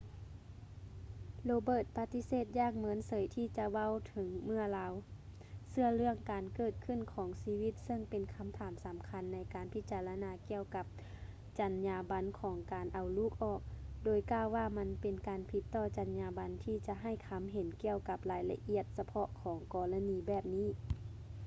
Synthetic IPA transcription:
loː˧bɤː˧˩t̪̚pa˧t̪i˧˥seː˧˩t̪̚jaː˧˩k̚mɤ˧˦ənsɤ˨˦jt̪ʰiː˧˩t͡ɕa˧ʋa˧˥˨wt̪ʰɤ˨˦ŋmɯ˧˥˩ɐlaː˧w | sɯ˧˩ɐlɯ˧˩əŋkaː˨nkɤː˧˩t̪̚kʰɯ˧˨nkʰɔː˨˦ŋsiː˧wi˧˥t̪̚sɤ˧˩ŋpe˨nkʰa˧˥mt̪ʰaː˨˦msa˨˦mkʰa˧˥nːa˧˥jkaː˨npʰi˧˥t̪̚t͡ɕaː˧˩la˧naː˧˦ki˧əwka˧˦p̚ | t͡ɕa˨˦nɲaː˧ba˧˥nkʰɔː˩˦ŋkaː˨nʔa˨wluː˧˩k̚ʔɔː˧˩k̚doː˨˩jkaː˧˩˨wːaː˧˩ma˧˥npe˨nkaː˨npʰi˧˥t̪ːɔː˧˩t͡ɕa˨˩nɲaː˧ba˧˦nt̪ʰiː˧t͡ɕa˧˦ʔɦa˧˥˩jkʰa˧˥mɦe˨˦nki˧˩əwka˧˦p̚laː˨˦jla̰˧ʔi˧˩ət̪̚sa˧pʰɔ˧ʔkʰɔː˩˦ŋkɔː˧˩la˧niː˧bɛː˧˨˩p̚niː˧˥˨

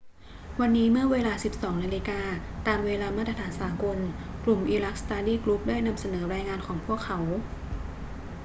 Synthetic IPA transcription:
wa˧nːiː˦˥mɯ˥˩ɐweː˧laː˧si˨˩p̚sɔː˩˦ŋna˧liː˧kaː˧t̪aː˨mweː˧laː˧ma˥˩t̪ɾa˧t̪ʰaː˩˦nsaː˩˦ko˧nklu˨˩mʔiː˧ɾa˦˥k̚st̪aː˧diː˥˩klu˦˥p̚daː˥˩jna˧msa˧nɤː˩˦ɾaː˧jŋaː˧nkʰɔː˩˦ŋpʰu˥˩əkʰːa˩˦w

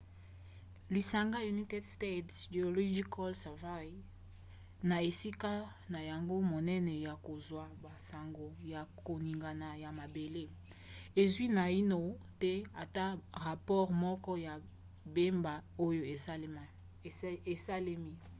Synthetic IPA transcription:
li˨sa˨ŋɡa˦ju˨ni˦te˦dste˦dde˨o˨lo˦d͡ʒi˦kɔ˦lsa˨va˦j | na˨e˨si˦ka˦ | na˨ja˨ŋɡo˦mo˨nɛ˦nɛ˨ja˨ko˨zwa˨ba˨sa˨ŋɡo˨ja˨ko˨ni˨ŋɡa˨na˨ja˨ma˨be˨le˦ | e˨zwi˦na˨i˦no˨ | tɛ˦a˨ta˦ʁa˨pɔ˦ʁmɔ˦kɔ˦ja˨ | be˦mba˨o˦jo˦e˨˦ | e˨sa˦le˦mi˦

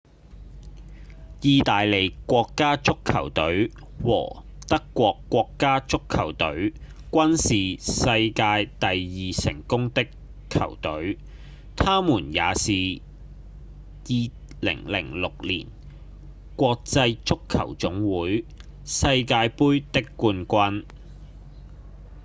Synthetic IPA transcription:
jiː˨˧t̪aː˨jle˨˩jkʷɔː˧kːaː˥t͡sʊ˥kʰːɐ˨˩wt̪ɵ˨˥ɥ | wɔ̰ː˨˩ | t̪ɐ˥kːʷɔː˧kːʷɔː˧kːaː˥t͡sʊ˥kʰːɐ˨˩wt̪ɵ˨˥ɥ | kʷɐ˥nsiː˨sɐ˧jkaː˧jt̪ɐ˨jjiː˨sɪ̰˨˩ŋkʊ˥ŋt̪ɪ˥kʰː | ɐ̰˨˩wt̪ɵ˨˥ɥ | t̪ʰaː˥muː˨˩nja̰ː˨˧siː˨ | jiː˨˧ | lɪ̰˨˩ŋlɪ̰˨˩ŋlʊ˨k̚liː˨˩n | kʷɔː˧k̚t͡sɐ˧jt͡sʊ˥kʰːɐ˨˩wt͡sʊ˨˥ŋwuː˨˥j | sɐ˧jkaː˧jpuː˥jt̪ɪ˥kːuː˧nkʷɐ˧n

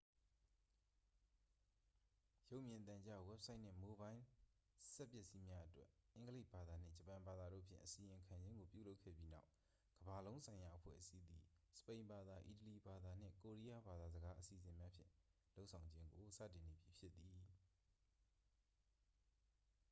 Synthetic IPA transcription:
jo˦ʊʔmjɪ̃˨nt̪ã˨ɲt͡ɕa̰˦˨wɛ˦p̚sʰa˦ɪʔn̥ɪ̰̃˦˨mo˦bã˦ɪ̃sɛ˦pːjɛ˦ʔsi˦mja˦ʔətwɛ˦ɪ̃˨˦ŋɡəle˦ɪʔba˨d̪a˨n̥ɪ̰̃˦˨d͡ʑəpã˨mba˨d̪a˨ɾo̰˦˨pʰjɪ̰̃˦˨ʔəsi˨ɪ̃˨ŋkʰã˨ɲd͡ʑɪ̃˦ŋɡo˨pjṵ˦˨lo˦ʊkʰːɛ̰˦˨bji˦na̰˦ʊʔ | ɡ̥əba˨lõ˦ʊ̃sʰã˨ɪ̃ja˨ʔəpʰwɛ̰˦˨ʔəsi˦d̪ḭ˨sə̥pẽ˨ɪ̃mba˨d̪a˨ʔi˨t̬əli˨ba˨d̪a˨n̥ɪ̰̃˦˨ko˨ɹi˦ja˦ba˨d̪a˨zəɡa˦ʔəsḭ˨zɪ̃˨mja˦pʰjɪ̰̃˦˨ | lo˦ʊʔsʰã˨ʊ̃ɲd͡ʑɪ̃˦ŋɡo˨sä̰˦˨tɪ̃˨ne˨bji˨pʰjɪ˦t̪ːi˨

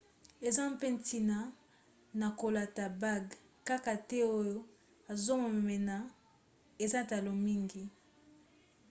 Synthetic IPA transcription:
e˨za˦m˦pe˦nti˨na˨ | na˨ko˨la˨ta˨ba˦˨ɡ | ka˦ka˨tɛ˦o˦jo˦ | a˨zo˦mo˨me˨mɛ˨na˨ | e˨za˦ta˨lo˨mi˦ŋɡi˨

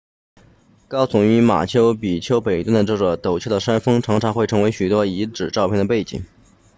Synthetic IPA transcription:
kɑ˥ʊt͡sʊ˨˩ŋy˧˥ma̰˨˩t͡ɕʰjo˥ʊpi˨˩t͡ɕʰjo˥ʊpe˨˩ɪt̪wnd̪ə˩ʈ͡ʂɤ˥˩ʈ͡ʂə˨˩t̪o˨˩ʊt͡ɕʰjʊd̪ə˩ʂa˥nfɤ˥ŋʈ͡ʂʰɑ˧˥ŋʈ͡ʂʰɑ˧˥ŋxwe˥˩ɪʈ͡ʂʰɤ˧˥ŋwe˧˥ɪɕy˨˩t̪wɔ˥i˧˥ʈ͡ʂɻ̩˨˩ʈ͡ʂɑ˥˧pʰjɛ˥˩nd̪əpe˥˩ɪt͡ɕḭ˨˩˦ŋ

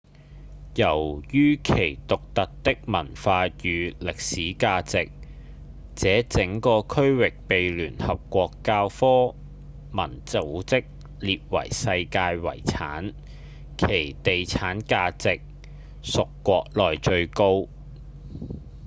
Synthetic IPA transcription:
jɐ˨˩wjyː˥kʰe˨˩jt̪ʊ˨k̚t̪ɐ˨t̚t̪ɪ˥k̚mɐ˨˩nfaː˧jyː˨˧lɪ˨k̚siː˨˥kaː˧t͡sɪ˨k̚ | t͡sɛː˨˥t͡sɪ˨˥ŋkɔː˧kʰɵ˥ɥwɪ˨k̚pe˨jlyː˨˩nhɐ˨p̚kʷɔː˧kːaː˧wfɔː˥ | mɐ˨˩nt͡so˨˥wt͡sɪ˥k̚ | liː˨p̚wɐ̰˨˩jsɐ˧jkaː˧jwɐ̰˨˩jt͡sʰaː˨˥n | kʰe˨˩jt̪e˨jt͡sʰaː˨˥nkaː˧t͡sɪ˨k̚ | sʊ˨kːʷɔː˧k̚lɔː˨jt͡ʃɵ˧ɥko˥w

